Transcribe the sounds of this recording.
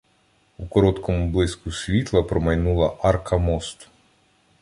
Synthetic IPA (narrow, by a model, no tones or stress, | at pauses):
ukɔɾɔt̪kʰɔmublˠɪskusʲʋʲit̪lˠɐpɾɔmɐjnulˠɐʔɑrkʰɐmɔst̪